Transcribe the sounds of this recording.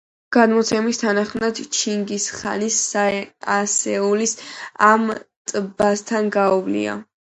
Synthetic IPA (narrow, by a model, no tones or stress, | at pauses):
ɡ̥ad̪mɔt̪sʰɛmist̪ʰanaχmnad̪t͡ʃʰiŋɡisχa̰nisaasɛulisamt̪ʼbast̪ʰanɡaɔvlḭa̰